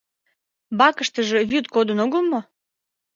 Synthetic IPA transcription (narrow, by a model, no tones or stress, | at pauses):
bɑkəʃt̪əʒevyt̪kod̪ənoɣəlmo